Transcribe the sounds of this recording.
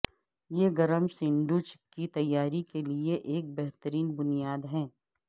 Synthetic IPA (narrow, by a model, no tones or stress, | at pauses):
jeɡɐɾəmsɪ̃ɳɖut͡ʃɪkːit̪ɐjːaːɾikelieʔeːk̚bɛɦt̪əɾiːnbʊnijaːd̪ɦɛ̃ː